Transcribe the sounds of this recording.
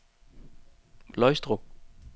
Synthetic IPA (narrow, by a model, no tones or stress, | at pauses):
lɔɪsd̥ʁoɡ̥̚